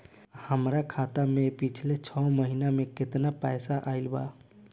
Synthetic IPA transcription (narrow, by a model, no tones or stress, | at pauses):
həmɾakʰat̪amepit͡ʃʰlet͡ʃʰɔməɦinameket̪napajsaʔaɪlba̰